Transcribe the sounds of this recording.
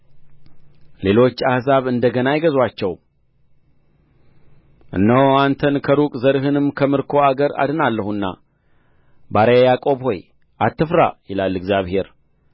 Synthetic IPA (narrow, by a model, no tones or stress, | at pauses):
le̞lo̞t͡ʃːahzaβɨnd̪əɡənajɪɡəzwat͡ʃːɛw | ʔɨ̰nːəwant̪ʰənkʰəɾukʼzəɾɦɨnɨmkʰəmɨɾkʰo̞aɡəɾa̰d̪ɨnalːəhunːa̰ | baɾəjakʼo̞βho̞j | ʔat̪ːɨfɾa̰jɪlalːɨɡzjaβhe̞ɾ